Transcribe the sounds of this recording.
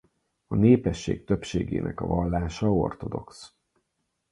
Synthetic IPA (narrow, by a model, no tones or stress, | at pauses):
ɒneːpɛʃːeːk̚t̪ø̞pʃeːɡḛːnɛkɒvɒlːaːʃɒo̞̰rt̪o̞d̪o̞ks